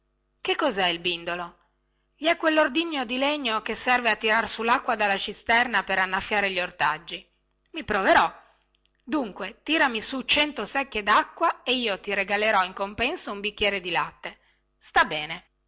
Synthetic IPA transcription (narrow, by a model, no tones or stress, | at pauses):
kekːɔzɛilbind̪olo | ʎiɛkːwelːord̪iɲːod̪ileɲːokesːɛrveat̪ːiɾarsulːakːwad̪alːat͡ʃist̪ɛrnapeɾanːafjaːɾeʎiort̪ad͡ʒːi | mipɾoveɾɔ | d̪uŋkwet̪iːɾamisut͡ʃɛnt̪osɛkːed̪akːwaeiːot̪iɾeɡaleɾɔiŋkompɛnsoumbikːjɛːɾed̪ilat̪ːe | st̪abːɛːne